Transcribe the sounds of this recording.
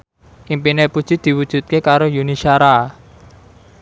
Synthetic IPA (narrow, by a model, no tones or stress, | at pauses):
ʔimpinepud̥ʒ̥i̤d̪̥i̤wud̥ʒ̥ṳt̪̚kekaɾojunisaɾa